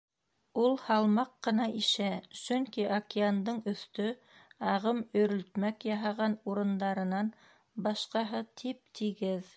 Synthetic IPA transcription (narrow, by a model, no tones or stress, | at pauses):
ulˠhɑlˠmɑqːɤ̆nɑʔiʃæsɵŋkiʔɐkʲeand̪ɤɴɵ̆θt̪ɵ | ɑʁɤmɵ̆ɾɵ̆lt̪mækjɑɦɑʁɑnuɾɤ̆nd̪ɑɾɤ̆nɑn | bɑʃqɑɦɤt̪ʰip̚t̪ʰiɡɘð